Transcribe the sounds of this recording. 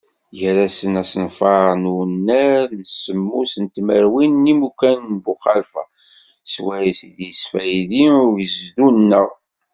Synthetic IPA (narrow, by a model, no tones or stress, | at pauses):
jəɾasənæsənfɑɾnunːæɾnəsːəmːusənt̪məɾwinːimukænnbuχɑlfæ̰ | swæjisid̪jəsfæjðinʊɾəzðunːəʁ